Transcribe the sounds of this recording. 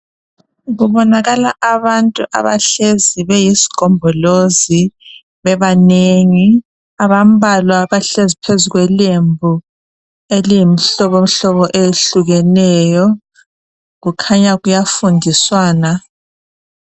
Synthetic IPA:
ɣuβɔnaɣalaʔaβantʼuʔa̰βa̰ɬeziβɛjisi̥ɡ̥ʱɔmbʱɔlozi | βɛβaneŋi | aβam̩βalwaβaɬezipʰezuɣwɛlembʱu | elijimiɬɔβom̩ɬɔβɔʔeɬuɣɛnɛjɔ | ɣukʰaɲaɣujafundʱiswaːna

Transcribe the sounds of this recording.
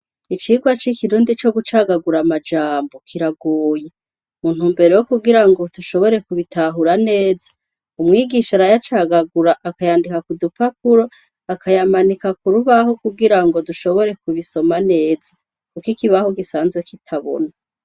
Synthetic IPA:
it͡ʃiɡwat͡ʃikiɾuːndit͡ʃo̞ɡut͡ʃaːɡaɡuɾamad͡ʒaːmbo̞kʰiɾaɡoːje | muːn̥humbe̞ɾejokuɡiɾaŋɡo̞duʃo̞βo̞ɾe̞kuβitaɦuɾane̞ːzḁ | umŋiːɡiʃaɾajat͡ʃaɡaɡuɾaʔakajaːndikakudupakuɾo | akʰajamanikakuɾuβaɦo̞kuɡiɾaŋɡo̞duʃo̞βo̞ɾe̞kuβiso̞mane̞ːza | kukikiβahoɡisaːnzwekitʰaβo̞̰na

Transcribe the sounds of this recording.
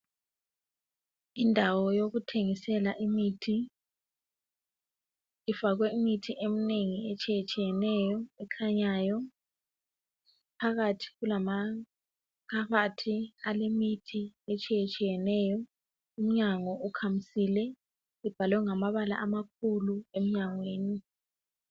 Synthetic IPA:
indʱawɔjoɣutʰeŋisɛlaʔimitʰi | ifaɣ̬wɛimitʰiʔem̩neŋiet͡ʃʼijet͡ʃʼijɛnɛjɔɛkʰaɲaːjɔ | pʰaɣatʰi̥ɣulama | kʰaɣatʰialemitʰiet͡ʃʼijet͡ʃʼijɛnɛːjɔ | um̩ɲaŋɔʔukʰam̩silɛ | ib̥ʱalwɛŋamaβala̰ʔamak̚ʰuluem̩ɲaŋweːni

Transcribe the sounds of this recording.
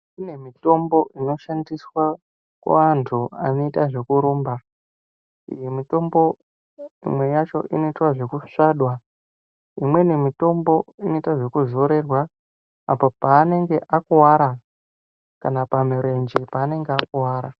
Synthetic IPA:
kune̞mito̞mbo̞ʔino̞ʃandiswa | kwa̰antʰuano̞itaʐe̞kuɾuːmba | ijemito̞mbo̞ | ḭmwe̞jat͡ʃo̞̰ʔino̞itwaʐe̞kuʂaɗwa | imwe̞ne̞mito̞mbo̞ino̞itaʐe̞kuzo̞ɾe̞rwaː | popaːne̞ŋɡe̞ʔakuwaɾa | kanapamuɾe̞nd͡ʒipaːne̞ŋɡeakuwaːɾa

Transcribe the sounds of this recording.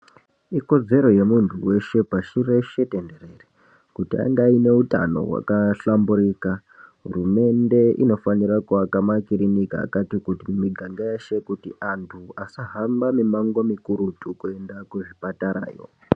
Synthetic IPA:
iko̞d͡ze̞ɾo̞je̞muntʰuwe̞ʃe̞paʃure̞ʃe̞tende̞ɾe̞re | kutia̰ŋɡaine̞uta̰no̞̰wa̰kaɬambuɾiːka | ɦṵrume̞nde̞ʔḭno̞faniɾakuakamakiɾinika̰ːkatikutimumiɡʱaŋɡajaʃe̞kutiʔantʰuasaɦambamimaŋɡomikuɾutukue̞ndakuʐipataɾa̰ːjo̞̰

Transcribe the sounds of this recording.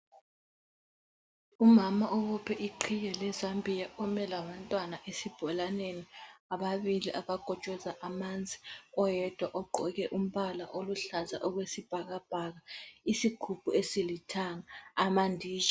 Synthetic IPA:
umamaʔɔβɔpʰɛʔiǃʰijɛlɛzambʱijaʔɔmɛlaβantʼwanaʔesib̥ʱɔlaneniaβaβiliʔaβaɡ̥ʱɔ̥t͡ʃʼɔzaʔamand͡zʱiɔjɛd̥ʱwaʔɔǃʱɔɣɛʔum̩βalaʔoluɬaza̰ʔɔɣwesib̥ʱaɣab̥ʱaɣaisiɡ̥ʱub̥ʱuesilitʰaŋaːmandʱiːʒa

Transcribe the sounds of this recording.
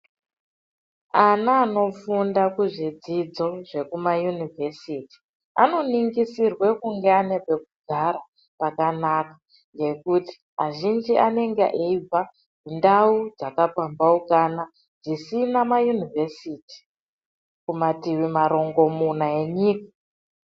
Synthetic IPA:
anaːno̞fundakuʐid͡zid͡zo̞ʐe̞kumajunivʱe̞siti̥ | a̰no̞niŋɡisirwe̞kuŋɡeane̞pe̞k̚uɡʱaɾa | pakanaka | ŋɡe̞kuti̥ | maʒind͡ʒiʔane̞ŋɡḛʔeib͡va | kundaud͡zakapambaukana | d͡zisinamajunivesiːti̥ | kumatiwimaɾo̞ŋɡo̞munae̞ɲiːkḁ

